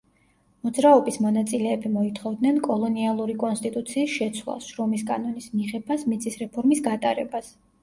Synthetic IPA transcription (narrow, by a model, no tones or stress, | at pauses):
mɔd̪zɾaɔbismɔnat̪sʼilɛːbimɔit̪ʰχɔvd̪nɛnkʼɔlˠɔnialˠuɾikʼɔnst̪ʼit̪ʼut̪sʰiːsʃɛt̪sʰwlˠa̰ʃɾɔmiskʼanɔnismiʁɛbasmit̪sʰʼisɾɛpʰɔɾmisɡat̪ʼaɾɛ̰bas